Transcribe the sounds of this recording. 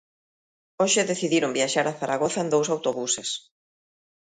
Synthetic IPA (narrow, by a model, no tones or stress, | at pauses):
oʃɪðeθiðiɾombjaʃaɾaθaɾʔaɣoθɐend̪owsawt̪oβuses